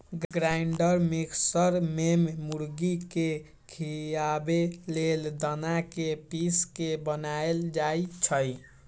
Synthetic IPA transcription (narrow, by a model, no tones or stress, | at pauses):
ɡɡɾajɳɖəɾmiksəɾmemmuɾɡike | kʰijabeleld̪ənakepiskebənaeld͡ʒajt͡ʃʰəj